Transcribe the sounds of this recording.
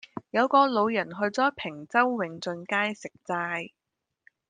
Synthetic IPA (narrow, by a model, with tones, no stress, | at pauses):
jɐ˨˧wkɔː˧lo˨˧wjɐ˨˩nɦɵ˧ɥt͡sɔː˨˥pʰɪ˨˩ŋt͡sɐ˥wːɪ˨˧ŋt͡sɵ˧nkaː˥jsɪ˨k̚t͡saː˧j